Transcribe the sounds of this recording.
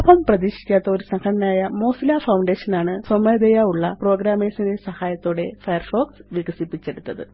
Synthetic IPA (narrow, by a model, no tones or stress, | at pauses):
opɐmprɐðiːɕi̥kʲːaːt̪ːɐo̞ɾusɐŋkʰɐɳɐnaːjɐmo̞ːsilaːfɐwɳɖe̞ːɕɐnaːɳɨsɐmɐd̪ejaːuɭːɐpro̞ːɡɾaːmeːsɐndesɐhaːjɐt̪ːo̞ːɽe̞fɐjɐrfo̞ːksʋiɡɐsipːit͡ɕːe̞ɽut̪ːɐðɨ̰